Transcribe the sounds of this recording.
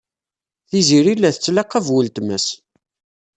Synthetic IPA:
θiziɾilːæθət͡sːlɑqːævwəlt̪məs

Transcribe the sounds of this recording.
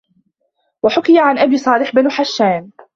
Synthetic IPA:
waħʊkɪjaʕanʔabiːsˤɑːlɪħbanħaʃːaːm

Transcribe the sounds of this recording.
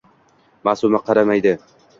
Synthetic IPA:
masʊmaqʰɑɾamajd̪ɪ

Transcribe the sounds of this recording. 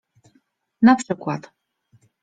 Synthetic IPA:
napʂɘkwat̪

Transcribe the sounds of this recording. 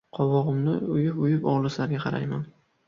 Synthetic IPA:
qʰɒwɒʁɨmnɪ̰ʊjɪpʊjɪpɒʁlˠɪslaɾɡʲaqʰɑɾa̰jman

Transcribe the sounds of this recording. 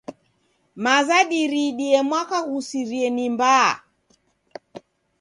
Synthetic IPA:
mazaɗiɾiɗiɛmwakaɣusiɾiɛnimba̰ː

